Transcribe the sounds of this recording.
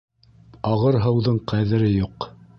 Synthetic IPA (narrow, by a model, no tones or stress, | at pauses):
ɑʁɤɾɦɤ̆wðɤɴqæðɘ̆ɾɘjuq